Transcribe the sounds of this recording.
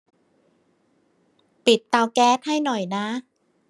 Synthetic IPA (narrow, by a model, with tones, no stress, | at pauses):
pi˨˩t̪ːaː˧wkɛː˦˥t̪̚ha˥˩jnɔ˨˩jna˦˥